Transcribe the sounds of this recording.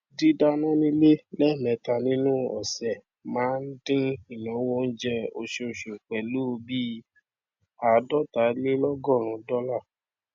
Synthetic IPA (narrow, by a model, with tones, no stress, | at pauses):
di˦da˧nã˦nĩ˦le˦lɛ˦˨mɛ̃˨ta˧nĩ˦nũ˦ɔ̰˨sɛ˨ | mãː˨˦n̩˦dĩ˦i˦˨nã˨˦wo˦n̩˦d͡ʒɛ˧o˧ʃe˧o˧˨ʃo˨k͡pɛ˨lu˦˧bi˦ | a˨˦dɔ˦˨ta˨˦le˦lɔ˦ɡɔ˦˨ɾ̃ũ˨˦dɔ˦la˦˨